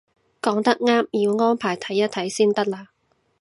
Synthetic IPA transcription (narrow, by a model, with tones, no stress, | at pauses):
kɔː˨˥ŋt̪ɐ˥k̚ŋaː˥mjiː˨˧wŋɔː˥npʰaː˨˩jt̪ʰɐ˨˥jːɐ˥t̪ʰɐ˨˥jsiː˥nt̪ɐ˥k̚laː˧